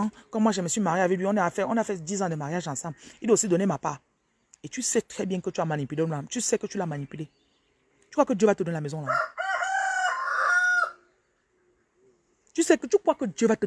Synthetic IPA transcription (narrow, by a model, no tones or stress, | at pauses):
kɔ̃mːwaʒeməswimaʁjeavɛliɔ̃nɛafɛɔ̃nafɛd̪izɑ̃d̪əmaʁjaʒãsɑ̃blid̪waosid̪ɔnemapa | et̪ysɛt̪χɛbjɛ̃kət̪yamanipylelat̪ysɛkət̪ylamanipyle | t̪y̥kwakədjøvat̪əd̪onelamɛzɔ̃la | t̪ysɛkət̪ykwakəd̪jøvat̪ə